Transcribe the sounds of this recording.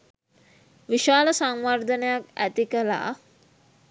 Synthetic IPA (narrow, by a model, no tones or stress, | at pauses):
ʋiʃaːləsaŋʋard̪ənəjakæ̰t̪ikəla̰ː